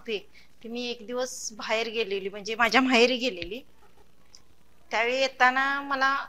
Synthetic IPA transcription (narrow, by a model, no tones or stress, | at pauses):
t̪e | t̪umiːekd̪iʋəsbʱajɾɡeleliːm̤əɳd͡zemad͡ʑʱjam̤ʱajɾiːɡeleliː | t̪jaʋejet̪anaməla